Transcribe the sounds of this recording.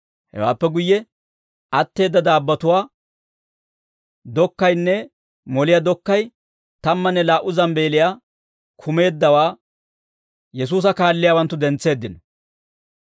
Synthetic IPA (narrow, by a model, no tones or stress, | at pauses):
hɛ̰wa̰ːpːɛɡʊjːɛ | ʔɐt̪ːe̞ːd̪ːɐd̪aːbːɐt̪ʊwaː | d̪ɔkːɐjnːɛ | mɔlɪjad̪ɔkːɐj | t̪ɐmːɐnːɛlaːʔʊzɐmbe̞ːlɪjaː | kʰʊme̞ːd̪ːɐwaː | jɛs̬uːs̬ɐkaːlːɪjawɐnt̪ːʊd̪ɛnt͡sːe̞ːd̪ːɪnɔ